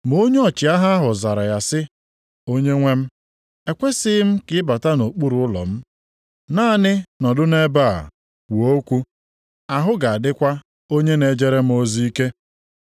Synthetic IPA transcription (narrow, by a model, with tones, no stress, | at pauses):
mo˦ɲ˦ɔ˨t͡ʃɪ˨a˦ɦa˦a˦ɦʊ˨za˨ɾa˨ja˨sɪ˦ | o˦ɲe˦ŋʷe˦m̩˦ | e˨kʷe˦sɪ˦m̩˦kɪ˦ɪ˦ba˨ta˦no˨k͡pu˦ɾu˨ʊ˦lɔ̰˨m̩˦ | naː˦˨nɪ˦nɔ˨dʊ˦ne˦ba̰˦˨ | wʷo˦kʷu˦ | a˨ɦʊ˦ɡa˨a˨dɪ˦kʷa˦ | o˦ɲe˦ne˨d͡ʒe˦ɾe˦m̩˦o˦zi˦i˦ke˦